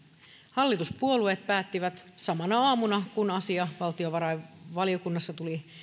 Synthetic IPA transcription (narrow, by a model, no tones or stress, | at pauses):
hɑlːit̪uspuo̞lue̞ːt̪̚pæːt̪ːiʋæt̪sɑmɑnɑɑːmunɑkunɑsiɑʋɑlt̪io̞ʋɑɾɑjʋɑlio̞kunːɑsːɑt̪uli